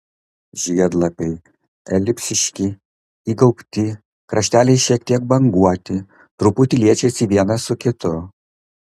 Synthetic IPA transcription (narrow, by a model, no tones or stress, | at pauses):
ʒʲiɛd̪lˠɐpʲɛɪ | ɛlʲɪpʲsʲɪʃʲkʲi | iːɡɐʊpʲt̪ʲɪ | kɾʔɐʃʲt̪ʲæːlʲɛɪʃʲiɛk̚t̪ʲiɛk̚bɐŋɡuɔt̪ʲɪ | t̪ɾʊpʊt̪ʲɪlʲiɛt͡ʃʲɛɪsʲiʋʲiɛnɐsʊkʲɪt̪ʊ